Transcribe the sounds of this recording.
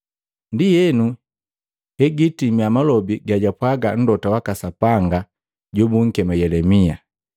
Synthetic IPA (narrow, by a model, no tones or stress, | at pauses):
ndijɛnu | hɛɡitimiamalɔbiɡaɟapwaɡan̩dɔtawakasapaŋɡa | ɟɔbuŋ̩kɛmajɛlɛmia